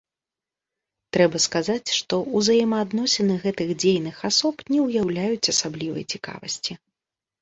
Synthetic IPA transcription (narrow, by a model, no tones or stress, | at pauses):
t̪ɾɛbɐskazat͡sʲʂt̪ɔuzajɛmɐːd̪nɔsʲɛnɨɣɛt̪ɨɣd͡zʲejnɨxasɔpnʲɛwjawlʲajut͡sʲɐsablʲivɐ̰jt͡sʲika̰vɐ̰sʲt͡sʲi